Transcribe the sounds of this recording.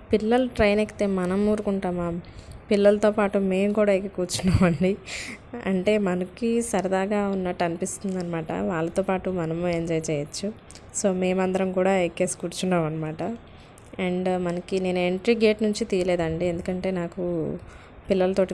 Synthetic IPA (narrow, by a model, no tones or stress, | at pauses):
pilːɐluʈɾɐjnekːi̥t̪eːmɐnɐmuːɾukuɳʈaːmaːpilːɐlɐt̪o̞ːpaːʈume̞ːmkuːɽaːɐkekuːɾt͡ʃunːaːmɐɳɖi | ɐ̰ɳʈe̞ːmɐnɐkisɐɾɐd̪aːɡaːunːɐʈːɐnipist̪und̪ɐnːɐmaːʈɐ̰ʋaːɭːɐt̪o̞ːpaːʈumɐnɐmueɲd͡ʒɔːjt͡ʃɛːjɐt͡ʃːu | so̞ːme̞ːmɐnd̪ɐɾɐmkuːɽaːejkeːskuːɾt͡ʃunːaːmɐnːɐmaːʈɐ | eɳɖmɐnɐkine̞ːnue̞ɳʈɾiɡe̞ːʈnuɲt͡ʃit̪iːjɐleːd̪ɐɳɖiend̪ukɐɳʈe̞ːnaːku | pilːɐlɐt̪o̞ːʈi